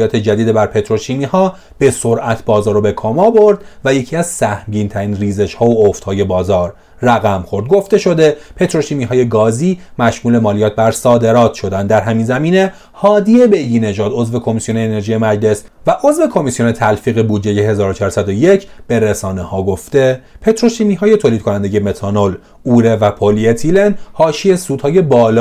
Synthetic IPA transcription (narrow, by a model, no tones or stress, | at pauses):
jɒːt̪ʰe̞d͡ʒæd̪iːd̪ebæɾpʰe̞t̪ʰɾo̞ʃiːmiːhɒː | b̥e̞soɾʔæt̪ʰbɒːzɒːɾobe̞kʰɒːmɒbo̞ɾd̪væje̞cʰiːæz̥sæhmɟiːnt̪ʰæɾiːnriːze̞ʃhɒːooft̪hɒːje̞bɒːzɒːɾː | æɣæmxo̞ɾd̪̚ɡo̞ft̪eʃo̞d̪e̞pʰe̞t̪ʰɾo̞ʃiːmiːɦɒːjeɡɒːziːmæʃmuːle̞mɒːlijɒːt̪̚bæɾsɒːd̪e̞ɾɒːt̪ʰʃo̞d̪ænd̪d̪æɾɦæminzæmiːne̞ | hɒːd̪iebe̞jɡ̪iːne̞ʒɒːd̪o̞zve̞kʰo̞misijo̞neːne̞ɾʒiːje̞mæd͡ʒle̞svæʔozve̞kʰo̞misijone̞t̪ʰælfiːɣe̞buːd̪d͡ʒe̞jeɦe̞zɒːɾot͡ʃʰɒːɾsæd̪o̞je̞cʰb̥e̞ɾesɒːnehɒːɡo̞ft̪e̞pʰe̞t̪ɾo̞ʃimiɦɒːje̞t̪ʰoːliːd̪̚kʰonænd̪eje̞me̞t̪ʰɒnol | uɾe̞væpʰoliet̪ʰilenhɒːʃiesuːd̪hɒːje̞bɒːlː